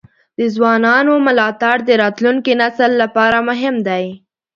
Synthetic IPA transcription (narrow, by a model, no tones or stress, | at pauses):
d̪̥əzwɑnɑnomʊlɑt̪aɽd̪əɾɑt̪luŋkinasəlːapɑɾamʊɦɪmd̪aj